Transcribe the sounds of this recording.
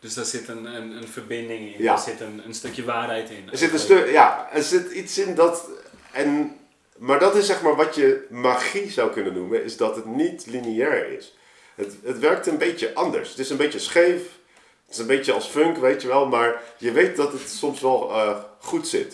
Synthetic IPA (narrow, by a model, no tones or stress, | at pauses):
d̥øsdaɹz̥ɪtənənənfərbɪndɪŋɪnjasɪtənənstøkjəʋaːrɦɛjtɪnəzɪtənstøjaəɹzɪtitsɪndɑt | ɛn | maːɹdɑtɪsɛχmaːɹʋɑtjəmaːχizawkɵnənːumənɪzdɑtɦətnitliniɛɹɪ̰s | ɦətətʋɛɹk̚tənbejtjəʔɑndə̰ɹsətɪsənbetəsχejf | ətɪ̥sənbejtjəɑlˠsføŋkʋejtjəʋɛlˠmaːɹjəʋejt̚dɑtətsɔmsʋɛlˠəχutsɪ̰t